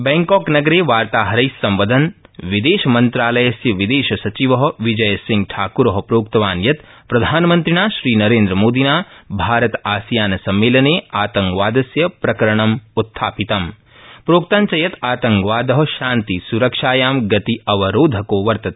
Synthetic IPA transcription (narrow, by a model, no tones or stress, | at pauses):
bɛ̃ːŋkɔːknɐɡɐɾeːʋaːɾt̪aːɦɐɾɐjsɐ̃mʋɐd̪ʱɐnʋid̪eːʃɐmɐnt̪ɾaːlɐjɐsjɐʋid̪eːʃɐsɐt͡ʃiʋɐɦɐʋid͡ʒɐjɐsĩŋɡ̚ʈʰaːkuɾɐɦɐpɾoːk̚t̪ɐʋaːnjɐt̪ | pɾɐd̪ʱaːnmɐ̃nt̪ɾinaːʃɾiːnɐɾeːnd̪ɾɐmoːd̪ʱinaːbʱaːɾɐt̪aːsjaːnɐsɐmːeːlɐneːaːt̪ɐŋkʋaːd̪ɐsjɐpɾɐkɐɾɐɳɐmut̪ʰːaːpit̪ɐm | pɾoːk̚t̪aːnt͡ʃɐjɐt̪aːt̪ɐŋkʋaːd̪ɐɦɐʃãːnt̪isuɾɐkʃaːjaːmɡɐt̪iɐʋɐɾoːd̪ʱɐkoːʋɐɾt̪ɐt̪ː